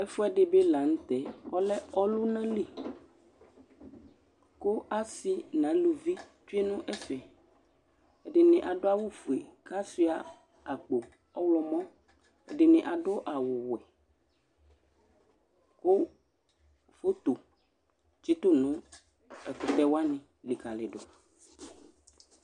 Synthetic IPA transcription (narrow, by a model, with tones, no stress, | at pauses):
ɛ˦fo˦ɛ˦ɖe˦be˦la˨ŋ̩̃˦t̪ɛ˦ɔ˦lɛ˦ɔ˦lu˦nã˦li˦˨ | ko˦ʔa˦si˦nã˨˦lu˨vi˦t͡ʃu˦e˦nũ˦ʔɛ˦fɛ˨ | ɛ˨ɖe˨nɪ̃˨ʔa˨ɖo˦a˦wo˦fu˨e˨ka˦si˦a˨ | a˨k͡po˨ | ɔ˦wlɔ˦mɔ̃˦ | ḛ˨ɖɪ˨nɪ̃˨ʔa˨ɖo˦ʔa˨wʊ˨wɛ˨ | ko˦ | fo˦t̪o˨ | t͡ʃi˦t̪o˦nũ˦ | ɛ˨kʊ˨t̪ɛ˦wa˦nɪ̃˨ | li˨ka˨le˨ɖo˨